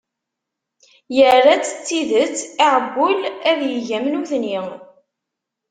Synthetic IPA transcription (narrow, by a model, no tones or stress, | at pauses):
jərːat͡sːə̥t͡sːiðət͡sːiʕəbːʊlæðjəʝæmnuθni